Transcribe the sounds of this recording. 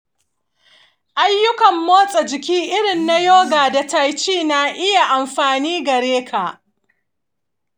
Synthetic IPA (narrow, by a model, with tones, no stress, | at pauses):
ʔa˦jːʊ˦kɐ˨mːoː˦sʼɐ˨d͡ʒɪ˨kʲiː˦ʔɪ˦ɽɪ˨nːa˦joː˦ɡaː˨da˨ta˨jt͡ʃiː˦na˨ʔɪ˦ja˨ʔa˨mɸaː˨niː˦ɡɐ˨ɽeː˦kʰa˨ʔ